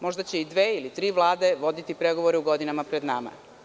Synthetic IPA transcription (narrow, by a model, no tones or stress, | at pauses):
mo̞ʒd̪at͡ɕe̞id̪ʋeːilit̪ɾiːʋlˠaːd̪e̞ʋo̞d̪it̪ipɾe̞ɡo̞ʋo̞ɾeuɡo̞d̪inamapɾe̞d̪nama̰